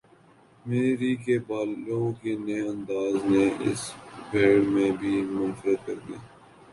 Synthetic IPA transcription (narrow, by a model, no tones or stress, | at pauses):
meːɾikebaːlõkenejɐ̃nd̪aːzneʔɪ̰sbʱeːɽmẽbʱiːmʊnfəɾət̪̚kɐɾd̪ijaː